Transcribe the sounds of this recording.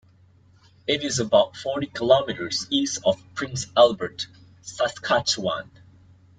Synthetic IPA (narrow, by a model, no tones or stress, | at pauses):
ɪɾɪzəbaʊtfɔɹɾikʰɪlɔmɪɾə˞zisɔv̥pʰɹɪ̃nsɛlˠbə˞t | saskʰat͡ʃwã̰n